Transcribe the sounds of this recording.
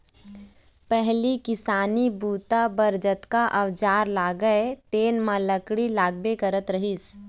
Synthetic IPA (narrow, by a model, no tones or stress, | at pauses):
pɛɦlikɪsaːnibuːt̪abɐɾd͡ʒət̪kaʔɐʋd͡ʒaːɾlaːɡəet̪eːnmãləkɽilaːɡ̚bekəɾət̪ɾɐɦis